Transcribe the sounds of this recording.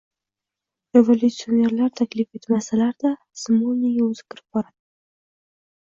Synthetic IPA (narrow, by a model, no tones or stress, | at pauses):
evolʲut̪sionʲe̞ɾlaɾt̪ʰakʲlife̞t̪masalaɾd̪a | smolnejaɵzɪ̥kʲʰɪɾɪb̚bɒɾad̪̥ɪ